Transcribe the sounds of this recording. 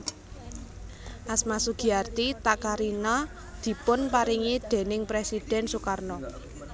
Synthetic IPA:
ʔasmasuɡ̥i̤art̪it̪akaɾinɔ | d̪̥i̤pʊnpaɾiŋid̪̥e̤nɪŋpɾesid̥ɛ̤nsukarnɔ

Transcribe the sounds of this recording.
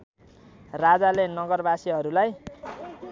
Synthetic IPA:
rad͡zalenʌɡʌrbasiɦʌɾulaj

